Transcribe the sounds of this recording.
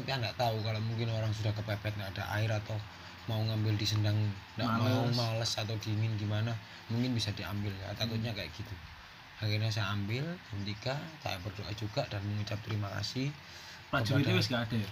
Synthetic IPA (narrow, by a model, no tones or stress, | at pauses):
t̪ampiandaʔt̪aukalomuŋkɪnoɾaŋsudahkəpapak̪̚naːdaʔa̰ɪɾat̪aw | mauŋambɪldisəndaŋndaʔmaumaləsat̪awdimɪnɡimana | muŋkɪnbisadia̰mbɪlja̰t̪akʊt̪̚ɲakaja̰ʔɡ̥it̪u | akirɲas̬ajaːmbɪlkəmt̪ikasa̰jaʔbərdoʔa̰d͡ʒuɡaʔd̥anməŋut͡ʃap̚t̪əɾimaka̰sɪh | pad͡ʒit̪abɛsɡaːd̥aj